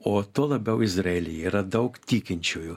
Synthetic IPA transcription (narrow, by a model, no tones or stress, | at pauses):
ɔt̪ɔlˠɐbʲɛwɪzɾɛlʲijiɾɐd̪ɐwkt̪ʲikʲɪnʲt͡ʃʲʊjʊ